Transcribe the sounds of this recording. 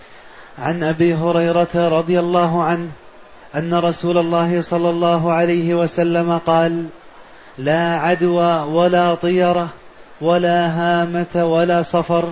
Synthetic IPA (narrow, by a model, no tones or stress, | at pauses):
ʕanʔabiːɦʊɾɑjɾɑt̪aɾˤɑd̪ˤɨjalːɑːɦʊʕanh | ʔanːaɾˤɑsuːlɑlˤːɑːhɪsˤɑlːɑlˤːɑːɦʊʕalajhɪwasalːamaqɑːlː | aːʕad̪waːwalaːt̪ˤɨjɑɾˤɑ | walaːɦaːmat̪awalaːsˤɑfɑɾˤ